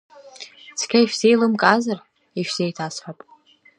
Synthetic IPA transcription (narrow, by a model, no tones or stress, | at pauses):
t͡sʰkʲʰaiʃᶣsejlɨmkʼazar | iʃᶣz̥ejtʰasħʷapʼ